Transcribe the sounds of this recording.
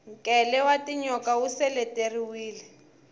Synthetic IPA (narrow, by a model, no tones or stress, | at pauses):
ŋkʼɛlɛwatʼiɲɔkawusɛlɛtʼeriwiːlɛ